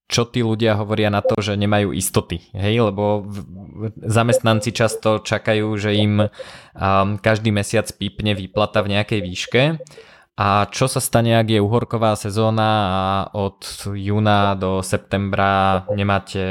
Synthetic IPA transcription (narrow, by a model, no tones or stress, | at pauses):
t͡ʃɔt̪iːluɟɪaɦɔʋɔɾɪanat̪ɔʒɛɲɛmajṵːʔḭst̪ɔt̪iɦɛjlɛbɔ | zamɛst̪nant͡sit͡ʃast̪ɔt͡ʃakajuːʒɛim | kaʒd̪iːmɛsɪat͡spiːpɲɛʋiplat̪avɲɛakɛjʋiːʃkɛ | ʔat͡ʃɔsast̪aɲɛaɡjɛuːɦɔɾkɔʋaːsɛzɔːnaaʔɔt̪juːnad̪ɔsɛp̚t̪ɛmbɾaɲɛmaːcʰɛ